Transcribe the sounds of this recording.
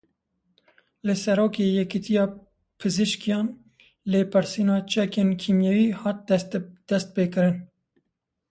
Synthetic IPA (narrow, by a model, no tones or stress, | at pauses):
lɨsɛɾoːkeːjɛkit̪ʰijɑː | pʰɨzɨʃkijɑːn | leːpʰɨɾsiːnɑːt͡ʃʰɛkeːnkʰimjɛwiːhɑːt̪̚d̪̥ɛst̪̚peːkɨɾɨn